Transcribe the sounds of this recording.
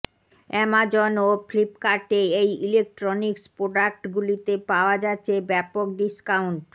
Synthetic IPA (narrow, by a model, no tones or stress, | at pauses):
ɛmad͡ʑonoflipkaɾʈeejilek̚ʈɾonikspɾoɖak̚ʈɡulit̪epaoad͡ʑatːɕʰebɛpok̚ɖiskawɳʈ